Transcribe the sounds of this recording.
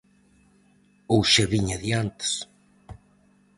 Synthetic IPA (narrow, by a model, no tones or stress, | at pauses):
owʃeβiɲaðjant̪e̥s